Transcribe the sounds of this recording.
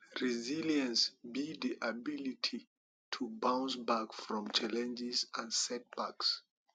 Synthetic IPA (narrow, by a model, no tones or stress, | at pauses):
ɹiziljə̃nsbidiʔabilitʰi | tʰubãw̃nsbakfɹɔ̃mt͡ʃʰalɛ̃nd͡ʒɪzə̃nsɛt̚b̥aks